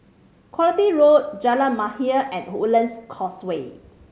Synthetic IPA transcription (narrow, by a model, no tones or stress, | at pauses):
kʰwɔlitiɹot̚d͡ʒɛlamahiəʔɛ̃nhulə̃nskʰɔswe